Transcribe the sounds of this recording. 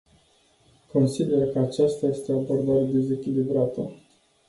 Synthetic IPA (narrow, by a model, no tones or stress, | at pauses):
ko̞nsid̪e̞rkəat͡ʃast̪aje̞st̪eabo̞rd̪aɾed̪e̞ze̞kʲilibɾat̪ə